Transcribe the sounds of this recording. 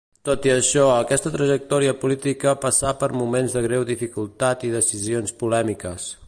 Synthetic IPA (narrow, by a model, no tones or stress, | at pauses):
t̪ot̪iəʃɔəkɛst̪ət̪ɾəʒək̚t̪ɔɾiəpulit̪ikəpəsapəɾmumenzðəɣɾɛwðifikulˠt̪at̪iðəsizionspulɛmikəs